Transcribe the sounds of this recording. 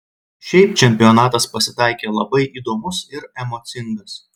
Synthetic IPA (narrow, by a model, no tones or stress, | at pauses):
ʃʲɛɪpt͡ʃʲɛmʲpʲɪjɔnɑːt̪ɐspɐsʲɪt̪ɑɪkʲeːlˠɐbɐɪʔiːd̪oːmʊsɪɾɛmoːt̪sʲɪŋɡɐs